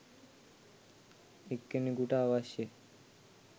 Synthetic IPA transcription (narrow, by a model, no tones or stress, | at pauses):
ekːemiɡuʈaːʋaʃe